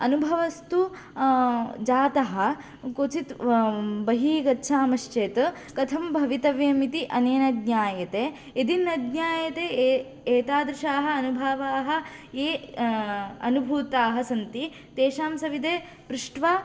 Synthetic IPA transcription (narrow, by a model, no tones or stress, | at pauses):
ɐnubʱɐʋɐst̪u | d͡ʒaːt̪ɐɦɐ̆ | kot͡ʃit̪bɐɦiːɡɐtːʃʰaːmɐʃt͡ʃeːt̪ | kɐt̪ʰɐmbʱɐʋit̪ɐʋjeːmit̪iʔɐneːnɐd̪naːjɐt̪eː | ed̪inɐd̪ɲaːjɐt̪eː | eːt̪aːd̪ɾɪʃaːɦɐ̆ɐnubʱaːʋaːɦɐ̆ | eː | ɐnubʱuːt̪aːɦɐsɐnt̪i | t̪eːʃaːmsɐʋid̪eː | pɾuʂʈʋaː